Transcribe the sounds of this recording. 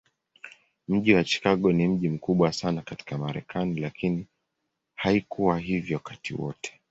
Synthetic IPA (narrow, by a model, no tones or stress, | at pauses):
m̩ʄiwat͡ʃi̥kaɠɔnim̩ʄim̩kuɓwasanakati̥kamaɾɛ̰kʰanilakini | haikuwaɦivjɔkatḭwɔ̰tʰɛ̥